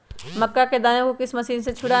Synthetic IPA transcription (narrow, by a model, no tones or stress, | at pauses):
mɐkːaked̪aːjõkokɪsmɐsiːnset͡ʃʰʊɽa